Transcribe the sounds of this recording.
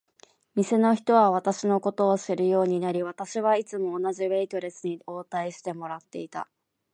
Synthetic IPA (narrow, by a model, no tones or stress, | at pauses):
mʲise̞no̞çi̥t̪o̞βaβ̞at̪aɕino̞ko̞t̪o̞ːɕɨɾɯ̟jo̞ːɲ̟inaɾʲiβ̞at̪aɕiβait͡sɨmo̞ːnaʑiβe̞it̪o̞ɾe̞sɨɲ̟io̞ːt̪aiɕi̥t̪e̞mo̞ɾat̪ːe̞̰it̪a̰